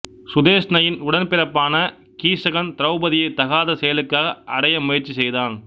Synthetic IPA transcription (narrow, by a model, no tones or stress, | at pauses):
sʊðeːʂnɐjɪnʊɽɐnpɪɾɐpːaːnɐ | kiːsɐɣɐnt̪ɪɾɐʊbɐðɪjɐɪt̪ɐɣaːðɐsɛjɐlɯkːaːɣɐʔɐɽɐjɐmʊjɐɾt͡ʃːisɛjðaːn